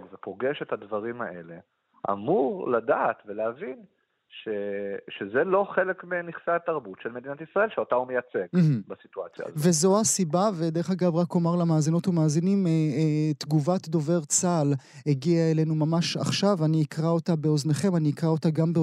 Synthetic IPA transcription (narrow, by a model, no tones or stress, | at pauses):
ɡvepoɡe̞ʃethadvaʁimaʔe̞le | ʔa̰muʁladaːt̪veleavin | ʃeʃezelo̞χe̞le̞kmeniχseataʁbutʃelmedinatisʁae̞lʃeotaumejat͡seɡɦ̩basitua̰t͡sja̰ve̞zo̞asibaved̪e̞ʁeχaɡavʁakomaʁlamaːzinotumaːzinimet̪ɡuvatdo̞ve̞ʁt͡sal | heɡiaele̞numamaʃa̰χʃavaniikʁao̞tabe̞o̞zneχe̞maniikʁao̞taɡambe